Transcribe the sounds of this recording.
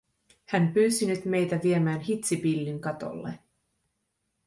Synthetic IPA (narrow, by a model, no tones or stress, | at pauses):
hæmpyːsinyt̪me̞jt̪æʋiemæːnɦit̪sipilːiŋkɑt̪o̞̰lːḛ